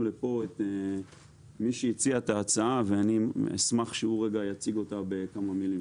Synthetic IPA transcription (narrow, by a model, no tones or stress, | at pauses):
lepo̞et̪e | miʃeit͡siataːt͡saaveaniḛsmaχʃeuʁeɡajat͡siɡo̞tabe̞kamamili